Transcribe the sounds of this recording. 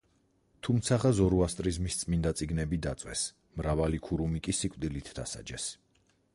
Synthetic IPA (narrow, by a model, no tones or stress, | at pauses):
t̪ʰumt̪sʰaʁazɔɾuast̪ʼɾizmist̪sʼmind̪at̪sʼiɡnɛbid̪at̪sʼwɛ̰s | mɾavalikʰuɾumikʼisikʼvd̪ilit̪ʰd̪asa̰d͡ʒɛs